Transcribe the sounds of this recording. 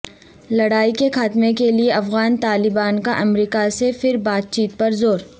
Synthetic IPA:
lɐɽaːikexaːt̪mẽkelieɐfɣaːnt̪aːlɪbaːnkaʔɐmɾiːkasefɪɾbaːt̪̚t͡ʃiːt̪̚pɐɾzoːɾ

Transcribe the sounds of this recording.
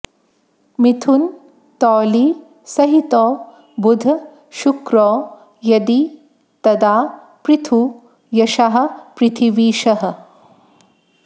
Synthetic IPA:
mit̪ʰun | t̪ɔːliː | sɐɦit̪ɔː | bud̪ʱɐ | ʃukɾɔː | jɐd̪i | t̪ɐd̪aː | pɾit̪ʰu | jɐʃaɦɐ̆pɾɪt̪ʰiʋiːʃɐɦɐ̆

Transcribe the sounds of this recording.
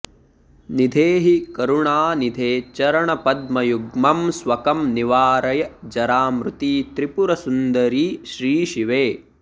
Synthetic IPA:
nid̪ʱeːɦikɐɾuɳaːnid̪ʱeːt͡ʃɐɾɐɳɐpɐd̪̚mɐjuɡmɐmsʋɐkɐmniʋaːɾɐjɐd͡ʒɐɾaːmɾut̪iːt̪ɾipuɾɐsund̪ɐɾiːʃɾiːʃiʋeː

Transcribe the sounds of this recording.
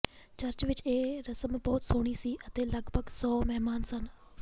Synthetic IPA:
t͡ʃəɾt͡ʃʋɪt͡ʃeːɾəsəmbɔːt̪soːɽ̃iːsiːʔət̪eːləɡbʱəɡsɔːmɛɦmaːnsən

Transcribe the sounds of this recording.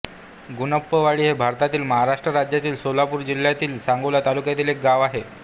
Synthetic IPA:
ɡunəpːəʋaɭiːɦebʱaɾt̪at̪iːlməɦaɾaʂʈɾəɾad͡ʑjat̪iːlsolapuːɾd͡ʑil̤ːjat̪iːlsãŋɡəʋljat̪alukjat̪iːlek̚ɡaʋaɦe

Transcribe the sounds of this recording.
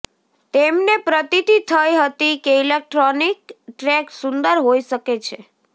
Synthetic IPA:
t̪emnepɾət̪it̪it̪ʰəjɦət̪ikeilek̚ʈɾonikʈɾɛksʊnd̪əɾɦoiʃəket͡ʃʰe

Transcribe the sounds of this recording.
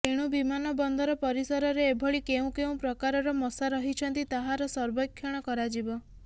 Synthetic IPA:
eɽ̃ubimanɔbɔnd̪ʱɔɾɔpɔɾisɔɾɔɾeːbʱɔɭikeũkeũpɾɔkaɾɔɾɔmɔsaɾɔɦit͡ʃʰɔnt̪it̪aɦaɾɔsɔɾbɔkʰːjɔɽ̃ɔkɔɾad͡ʒibɔ

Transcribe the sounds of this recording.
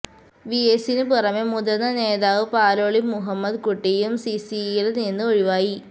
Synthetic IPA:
ʋiesinɨpurɐmemud̪ɐnːɐneːd̪aːʋɨpaːloːɭimːuɦɐmːɐd̪kuʈːijumsisijileninːɨoɻiʋaːji

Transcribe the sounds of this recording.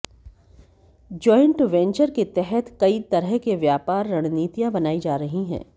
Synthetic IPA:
d͡ʒɔːɪ̃ɳʈʋɛ̃ːnt͡ʃəɾket̪ɛɦɛt̪kɐit̪ɐɾəɦkeʋjaːpaːɾːɐɽ̃niːt̪ijãbɐnaːid͡ʒaːɾɐɦiɦɛ̰̃ː

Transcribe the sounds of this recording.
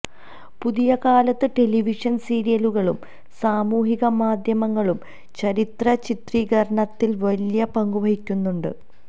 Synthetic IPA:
puðijɐkaːlɐt̪ːɨʈe̞liʋiʂɐnsiːɾijɐluɣɐɭṵm | saːmuːɦiɣɐmaːd̪ʱjɐmɐŋːɐɭum | t͡ɕɐɾit̪rɐt͡ɕit̪riːɣɐɾɐɳɐt̪ːilʋɐljɐpɐŋɡuʋɐhikʲːunːuɳɖɨ̰

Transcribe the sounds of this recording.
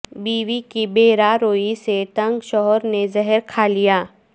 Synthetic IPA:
biːʋikibeːɾaɾoːiseʈɐ̃ŋɡʃɔɦɔɾnezɛɦəɾkʰaːlijaː

